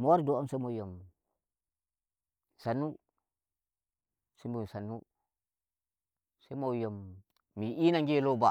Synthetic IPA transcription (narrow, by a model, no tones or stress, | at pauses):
mowaɾdoomsemojom | sanːu | simbusanu | semojomː | iinaŋɡiloba